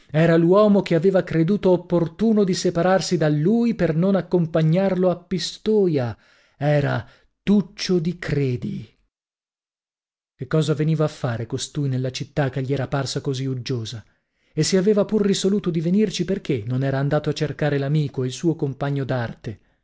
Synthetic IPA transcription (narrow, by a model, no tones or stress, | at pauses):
ɛːɾalwɔːmok̟eaveːvakɾed̪uːt̪oːpːort̪uːnod̪isepaɾarsid̪alːuːjpernonakːompaɲːarloapːist̪oːja | ɛːɾa | t̪ut͡ʃːod̪ikɾeːd̪i | kekːɔːzaveniːvaːfːaːɾekost̪ujnelːat͡ʃit̪ːakːeʎːiɛːɾaparsakoziud͡ʒːoːza | esːiaveːvapurːisoluːt̪od̪ivenirt͡ʃiperkenːonɛːɾaːnd̪aːt̪oat͡ʃːerkaːɾelamiːkoilsuːokompaɲːod̪art̪e